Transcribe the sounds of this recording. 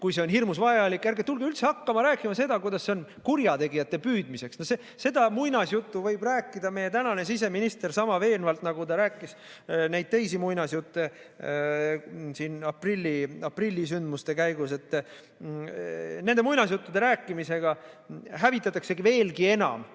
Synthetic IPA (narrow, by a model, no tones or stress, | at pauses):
kujs̬e̞o̞nɦirmusvɑjɑlikːˑæɾrɡet̪ulɡeylt̪se̞ɑkːɑmɑɾæːkːˑimɑse̞d̪̥ɑkujd̪̥ɑsːe̞o̞nkurjɑt̪e̞ɡijɑt̪ːˑe̞pyːd̪̥mise̞ksnose | se̞d̪ɑmujnɑsjut̪ːuvɤjb̥ræːkːˑid̪ɑme̞je̞t̪ænɑne̞sis̬e̞minist̪e̞rsɑmɑve̞ːlnvɑlt̪nɑɡ̥ut̪ɑɾæːkːˑis | næjd̪̥̚t̪e̞jsimujnɑsjut̪ˑːe | siːnɑprilʲːiɑprilʲːisynd̪must̪e̞kæjɡ̥use̞t̪ː | ne̞nd̪e̞mujnɑs̬jut̪ːud̪e̞ɾæːkːˑimise̞ɡ̥ɑɦævit̪ːˑɑt̪ːˑɑkse̞ɡive̞ːlɡie̞nɑ̰m